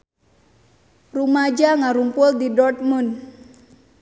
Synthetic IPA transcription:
rumad͡ʒaŋaɾumpʊldidɔrt̪̚mun

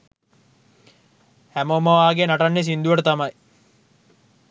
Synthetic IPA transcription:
hæmomɐʋaːɡenaʈɐnːes̬ind̪uʋɐʈət̪ɐmɐj

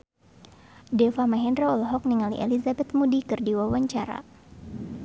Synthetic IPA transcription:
dɛfamaɦɛndɾɔɔlɔɦɔk̚niŋalḭʔɛ̰lizabɛt̪̚mudikɨrdiwawaɲt͡ʃaɾa̰

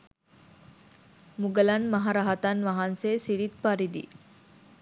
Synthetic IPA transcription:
muɡəlɐnmɐɦaɾɐɦɐt̪ɐnʋɐɦanseːsiɾit̪̚paɾid̪ḭ

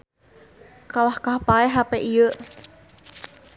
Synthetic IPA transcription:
kalahkahpaɛɦapeʔiə

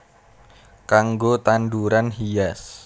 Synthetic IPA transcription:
kaŋɡot̪anduɾanɦijas

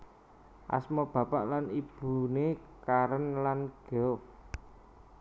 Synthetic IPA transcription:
ʔa̰smɔb̥ä̤paʔlanib̥ṳnekaɾənlanɡ̥ɔf

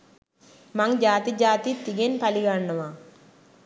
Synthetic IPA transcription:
mɐŋd͡ʒaːt̪id͡ʒaːt̪it̪iɡenpɐliɡaɳːɐʋa

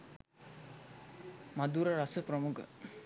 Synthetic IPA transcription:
mɐd̪uːɾɐɾɐsəprəmukʰə̰

